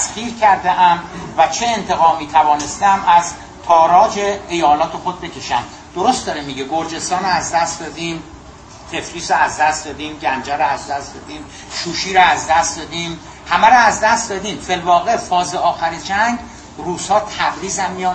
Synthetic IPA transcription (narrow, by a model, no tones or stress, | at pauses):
skiːɾcʰæɾd̪eʔæmvæt͡ʃʰeːnt̪ʰe̞ɣɒːmiːt̪ʰævɒːne̞st̪æmæz | t̪ʰɒːɾɒːd͡ʒeejɒːlɒːt̪ʰe̞xod̪̚be̞cʰʲe̞ʃæm | d̪̥oɾost̪d̪ɒːɾemiɟeɡoɾd͡ʒe̞st̪ɒːnoæzd̪æst̪d̪ɒːd̪im | t̪ʰe̞fɾiːsoæzd̪æst̪d̪ɒːd̪iːmɟænd͡ʒæɾoæzd̪æst̪d̪ɒːd̪iːm | ʃuːʃiːɾɔæzd̪æst̪d̪ɒːd̪iːm | hæmæɾoæzd̪æst̪d̪ɒːd̪iːmfelvɒːɣe̞fɒːzeɒːxæɾid͡ʒæŋɡ | ɾuːz̥hɒːt̪ʰæbɾiːzæmːijɒːn